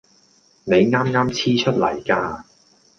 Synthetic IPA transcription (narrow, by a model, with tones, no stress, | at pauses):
ne˨˧jŋaː˥mŋaː˥mt͡sʰiː˥t͡ʃʰɵ˥t̚lɐ̰˨˩jkaː˧